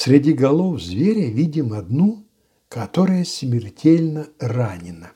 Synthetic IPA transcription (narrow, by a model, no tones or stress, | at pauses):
sʲɾʲɪdʲiɡɐlˠofzvʲeɾʲəvʲidʲɪmɐd̪nu | kɐt̪oɾəjəsʲmʲɪrtʲelʲnəranʲɪnə